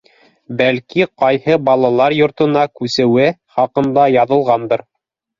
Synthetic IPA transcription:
bælkiqɑjhɤbɑlˠɑlˠɑɾjŏɾt̪ɤ̆nɑkʉsɘ̆wɘχɑqɤ̆nd̪ɑjɑðɤ̆lˠʁɑnd̪ɤɾ

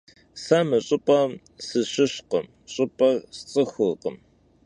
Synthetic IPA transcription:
samɐɕʼɪpʼɐ | sɨɕɪɕqəm | ɕʼɪpʼɐst͡sʼɨxʷʊqəm

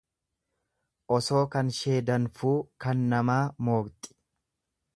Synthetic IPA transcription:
ʔɔso̞ːkɐnʃe̞ːd̪ɐnfuːkɐnːɐmaːmo̞ːkt̪ʼɪ̥

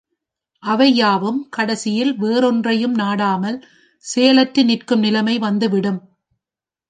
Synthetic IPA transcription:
ʔɐʋɐjaːʋɯmkɐɽɐsɪjɪlʋeːɾɔndrɐjɯmnaːɽaːmɐl | seːɐlɐʈɾɯnɪrkɯmnɪlɐmɐɪʋɐnd̪ɯʋɪɽɯm

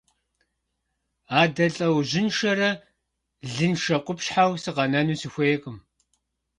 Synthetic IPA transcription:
aːdɐɬʼɐwʑɪnʃɐɾɐ | ɮɨnʃɐqʷʼʊpɕħawsɨʁɐnɐnuːsɨxʷejɛkʼɨm

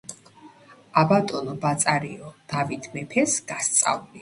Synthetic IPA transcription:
abat̪ʼɔnɔbat̪sʼaɾiɔd̪̥avit̪ʰmɛpʰɛsɡast̪sʼa̰vuli

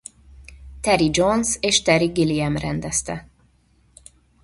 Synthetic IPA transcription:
t̪ɛɾid͡ʒonseːʃt̪ɛɾiɡiliɛmrɛnd̪ɛst̪ɛ

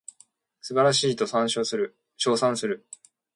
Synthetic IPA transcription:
sɨbaɾaɕiːt̪o̞sãɰ̃ɕoːsɨɾɯ̟ | ɕo̞ːsãɰ̃sɨɾɯ̟

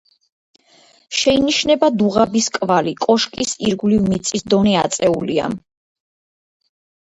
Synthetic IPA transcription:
ʃɛiniʃnɛbad̪uʁabiskʼvalikʼɔʃkʼisiɾɡlivmit̪sʼisd̪ɔniat̪sʼɛulia̰

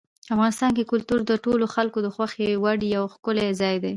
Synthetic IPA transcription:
afɣɑnɪst̪ɑnkekʊlt̪uɾd̪əʈoloxalkod̪əxwaxewaɽjawxkʊlezɑjd̪e

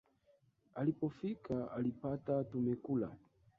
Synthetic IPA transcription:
alipɔfikʰaalipatatumɛkula̰

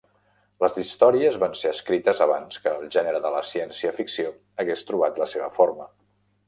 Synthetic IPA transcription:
ləzist̪ɔɾiəzβanseəskɾit̪əzəβanskəːlˠʒɛnəɾəðələsiɛnsiəfiksio | əɣest̪ɾuβ̞at̪ləseβəfoɾmə

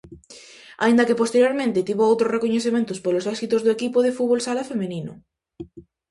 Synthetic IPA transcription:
a̰ind̪ɐkepost̪eɾjoɾmẽnt̪ɪt̪iβoowt̪ɾosrekoɲeθemẽnt̪ʊspolosɛsit̪ozðoekipoð̞efuβolsalafemenĩnʊ̰

